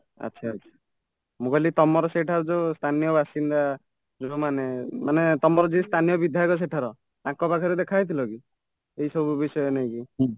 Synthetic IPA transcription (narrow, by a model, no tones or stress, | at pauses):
a̰tːʃʰaːtːt͡ʃʰḁ | mũkɔlit̪ɔmɔɾɔseʈʰaɾɔd͡ʒost̪ʰanijɔbʱasind̪a | d͡ʒomanemanet̪ɔmɔɾɔd͡ʒist̪ʰanijɔbid̪ʱjakɔs̬eʈʰaɾɔ | t̪ãkɔpakʰɔɾed̪ekʰajt̪ʰilɔki | eisɔbubisɔjɔnaj̃ki